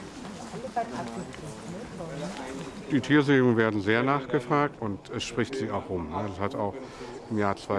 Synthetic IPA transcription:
d̥iːtʰiːɐzeːʊŋənveːɐdn̩zeːɐnaːχɡ̥əfʁ̥aːk̚tʊntɛsʃpʁ̥ɪçtz̥iːaʊxʔʊmnadashataʊx | ɪmjaːɐt͡sv̥aɪ

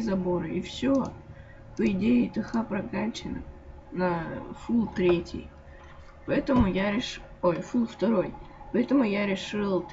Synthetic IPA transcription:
zɐbo̞ɾɨʔifsʲo | pəɪdʲejɪt̪ɨxapɾɐkanʲt͡ɕɪnɨ̰ | nɐfulˠt̪ɾʲetʲɪ̰j | pɐɛt̪əmʊjaɾʲɪʂojfulˠft̪ɐɾo̞jpɐɛt̪əmʊjaɾʲɪʂɨlˠt̪

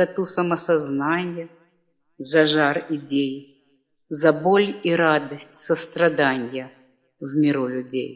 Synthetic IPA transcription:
ɐt̪usəməsɐznanʲɪjə | zɐʐarɪdʲej | zɐbolʲiɾad̪əsʲtʲsəst̪ɾɐd̪anʲjə | vmʲɪɾulʲʊdʲḛj

